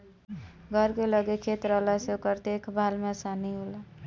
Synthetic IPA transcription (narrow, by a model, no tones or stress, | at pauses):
ɡʱʌɾkelʌɡekʰet̪ɾʌlasokʌɾt̪ekbʱalmasaniɦola